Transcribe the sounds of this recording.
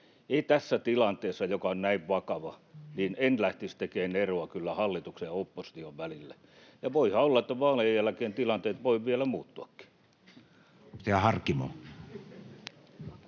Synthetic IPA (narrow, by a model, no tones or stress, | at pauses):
eit̪æsːæt̪ilɑnt̪eːsːɑjokɑonnæiʋʋɑkɑʋɑniːnenlæht̪ist̪ekeːneroɑkylːæhɑlːit̪uksejɑopːosi̥t̪ioʋʋælilːæ | jɑʋoihɑolːɑet̪ːæʋɑːlejjælækeːnt̪ilɑnt̪eːt̪ʋoiʋielæmuːt̪ːuɑkːi̥ | t̪eæhɑrkːimo̰